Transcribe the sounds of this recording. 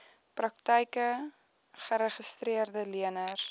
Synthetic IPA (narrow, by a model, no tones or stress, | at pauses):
prɐk̚təjkə | χəɾəχəstriərdəliənər